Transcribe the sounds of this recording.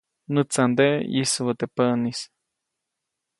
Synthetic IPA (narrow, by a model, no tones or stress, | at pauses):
nɨt͡sand̪eʔjḭswət̪epənis